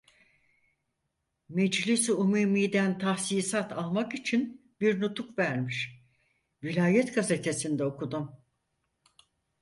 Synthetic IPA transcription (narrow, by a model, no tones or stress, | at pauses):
mɛd͡ʒlʲisumumijd̪ænt̪ʰahsiːsat̪ʰalˠmakit͡ʃʰin | biɾnut̪ʰukvæɾmiʃ | vilʲaːjɛt̪ɡaze̞t̪ʰe̞sind̪ɛokud̪um